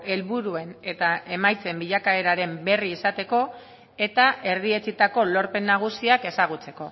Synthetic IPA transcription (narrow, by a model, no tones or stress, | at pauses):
e̞lβuɾue̞ne̞t̪aʔe̞majt͡se̞mbiʎakaeɾaɾe̞mbe̞riːsat̪e̞ko̞ | e̞t̪ae̞ɾðie̞t͡sit̪ako̞lo̞ɾpe̞nːaɣ̞usiake̞saɣ̞ut͡se̞̥ko̞